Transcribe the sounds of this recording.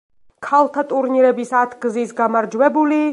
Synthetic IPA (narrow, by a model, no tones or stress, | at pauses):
kʰalˠt̪ʰat̪ʼuɾniɾɛbisat̪ʰɡzisɡamaɾd͡ʒwɛbuli